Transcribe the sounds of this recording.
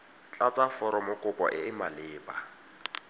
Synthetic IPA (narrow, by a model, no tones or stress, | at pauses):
t͡ɬʼat͡sʼafɔɾɔmʊkʼʊpʼɔ̰ʔɪmalɪːpʼa